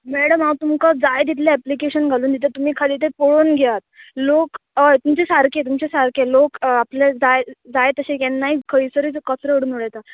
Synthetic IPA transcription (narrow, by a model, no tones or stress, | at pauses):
mɛɽəmawt̪umkad͡zajd̪it̪̬ʰleæplikeɕənɡʱaluːnd̪it̪ʰet̪um̤iːkʰalit̪ʰepoɭoːnɡʱeʋat̪̚lokəjt̪umt͡ɕesaɾket̪umt͡ɕesaɾkelokaplad͡zajd͡zajt̪əɕẽjɛnːaikʰəɾisəɾiːt͡skət͡sɾəʋəɽuːnoɽejt̪a